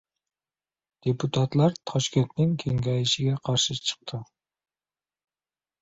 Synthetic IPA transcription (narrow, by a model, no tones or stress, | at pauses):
d̪̥epʰut̪ʰɑt̪lˠɑɾt̪ʰɑʃkʲent̪nɪŋkʲʰeŋɡʲɛjiʃɪɡʲɛqʰɑɾʃɨt͡ʃʰə̥q̚t̪ʰɨ